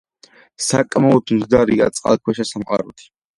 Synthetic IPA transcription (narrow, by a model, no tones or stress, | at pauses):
sakʼmaɔt̪ʰuzd̪aɾiɡa̰t̪sʼqʼa̰lˠkʰwɛʃasamqʼa̰ɾut̪ʰi̥